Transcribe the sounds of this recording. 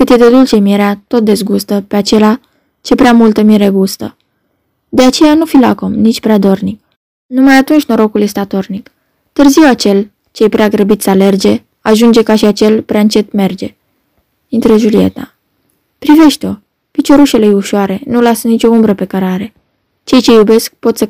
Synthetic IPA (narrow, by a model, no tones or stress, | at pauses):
kɨt̪jed̪e̞d̪ult͡ʃe̞mieɾeat̪o̞t̪̚d̪e̞zɡust̪əpe̞at͡ʃe̞la | t͡ʃe̞pɾeamult̪əmiɾeɡust̪ə | d̪e̞at͡ʃe̞janufilakomnit͡ʃʲpɾead̪o̞rnik̚ | numajat̪unt͡ʃʲno̞ɾo̞kulje̞st̪eat̪o̞rnik | t̪ɨrziwat͡ʃe̞l | t͡ʃe̞jpɾeaɡɾəbit̪sʲale̞rd͡ʒe̞ | aʒund͡ʒe̞kaʃiat͡ʃe̞lpɾeaɨnt͡ʃe̞t̪me̞rd͡ʒe̞ | int̪ɾəʒulie̞̰t̪a | pɾive̞ʃt̪eo̞ | pit͡ʃo̞ɾuʃe̞lejuʃoaɾe̞nulasənit͡ʃo̞umbɾəpe̞kəɾaɾe̞ | t͡ʃe̞jt͡ʃe̞jube̞sk̚po̞t̪sə